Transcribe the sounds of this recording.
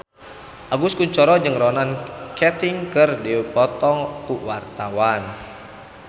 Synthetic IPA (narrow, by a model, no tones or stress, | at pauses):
ʔaɡuskuɲt͡ʃɔɾɔd͡ʒɨŋrɔnankɛt̪ɪŋkərdipɔt̪ɔŋkuwart̪awan